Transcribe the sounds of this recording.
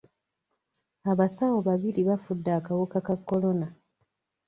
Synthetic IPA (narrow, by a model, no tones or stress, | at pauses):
aβasawoβaβiɾiβafudːaːkawokakakːo̞lo̞na